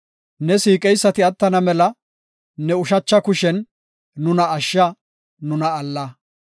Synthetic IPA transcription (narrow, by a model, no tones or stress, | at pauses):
nɛsiːkʼɛjsːɐt̪ɪɐt̪ːɐnɐmɛlɐ | nɛʊʃɐt͡ʃːɐkʊʃɛnː | ʊnɐːʃːɐ | nʊnɐːlːɐ